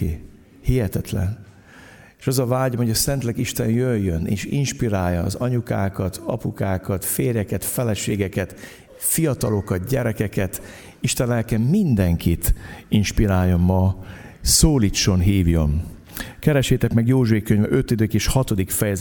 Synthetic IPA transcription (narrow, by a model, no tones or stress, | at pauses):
hihɛt̪ɛt̪lɛ̰n | eːʃɒzɒvaːɟomhoɟɒsɛnt̪lɛɡiʃt̪ɛnjøjːønḛːʃḭnʃpiɾaːjːɒ̰ːzɒɲukaːkɒt̪ʰɒ̰pukaːkɒt̪feːrjɛkɛt̪fɛlɛʃeːɡɛkɛt̪ | fijɒt̪ɒlo̞kɒt̪̚ɟɛɾɛkɛkɛt̪ | iʃt̪ɛnlɛlkɛmːind̪ɛŋkʰit̪inʃpiɾaːjːo̞mmɒ | soːliːt͡ʃːo̞nɦiːvjo̞n | kɛɾɛʃeːt̪ɛkmɛɡjoːʒeːkːøɲvɛ̰ʔø̞t̪ːid̪øːkeːʃhɒt̪o̞d̪ikfɛjɛz